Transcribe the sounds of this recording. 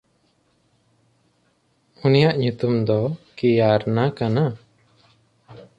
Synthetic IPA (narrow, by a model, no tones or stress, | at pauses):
unijaʔɲut̪umd̪ɔkijaɾnakana